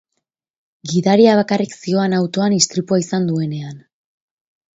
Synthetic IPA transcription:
ɡiðaɾiaβ̞akariksio̞anawt̪o̞anist̪ɾipuaisand̪ue̞ne̞an

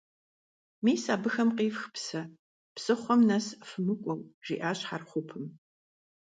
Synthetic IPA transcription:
miːsaːbɨxɐmqiːfxpsɐ | psɨχʷɔmnɐsfɨmɨkʷʼɔwʒḭːʔaːɕħarχʷʊpʰɨm

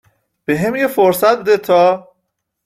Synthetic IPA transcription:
b̥eɦemjefoɾsæt̪̚bed̪et̪ʰɒː

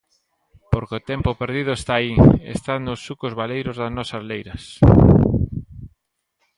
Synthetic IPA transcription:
poɾkot̪ɛmpopeɾðið̞ʊest̪aːiḛst̪anʊsːukozβalejɾʊzðɐznɔsɐzlejɾɐs

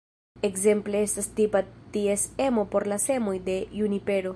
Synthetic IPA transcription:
e̞kze̞mple̞e̞stastipatiese̞mo̞po̞ɾlase̞mo̞jde̞junipe̞ɾo̞

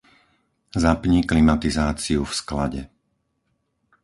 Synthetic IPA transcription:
zapɲiklimat̪izaːt͡siufskla̰ɟɛ

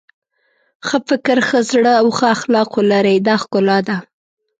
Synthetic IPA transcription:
xəfɪkɪɾxəzɽəawxəaxlɑqolaɾajd̪ɑxkʊlɑd̪a

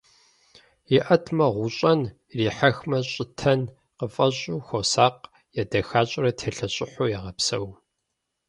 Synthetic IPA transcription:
jɪʔɐtʰmɐʁʷʊɕʼɐn | riːħaɐxmɐɕʼɪtʰɐn | qəfʼɐɕʼuːxʷosaːq | jadɐxaːɕʼrɐtʰeːɬɐɕʼɪħʊːjɛʁɐpsɐ̰w

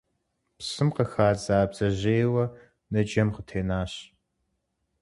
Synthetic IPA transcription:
psɨmqəxaːzaːbzɐʑeːwɐ | nɐd͡ʒɐmqətʰeːnaːɕ

